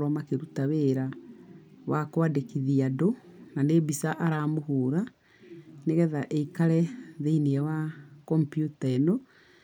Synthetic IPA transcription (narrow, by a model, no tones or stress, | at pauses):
ɾɔmakeɾutaweɾa | wakwadekiðiadonanebisaʔaɾaːmoɦuːɾa | neɣɛðaʔeikaɾɛðeineɛwakɔmpjutaeno